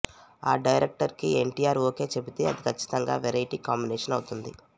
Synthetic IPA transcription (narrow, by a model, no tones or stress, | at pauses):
aːɖɐjɾek̚ʈɐɾkieɳʈiːjaːɾoːke̞ːt͡ʃe̞bit̪e̞ːɐd̪ikʰɐt͡ʃːi̥t̪ɐŋɡa̰ːʋeɾɐjʈiːkaːmbineːʂɐnɐwut̪und̪i